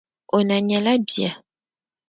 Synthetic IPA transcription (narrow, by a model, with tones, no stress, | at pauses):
o˨na˨ɲã˨la˦bja̰˨